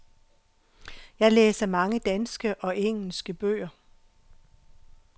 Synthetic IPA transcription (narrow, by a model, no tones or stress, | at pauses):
jɑ̈ɪleːsɐmɑ̈ŋəd̥ænsɡ̥əʔɒ̽ʔeŋ̰l̩sɡ̥əb̥ø̰ːɐ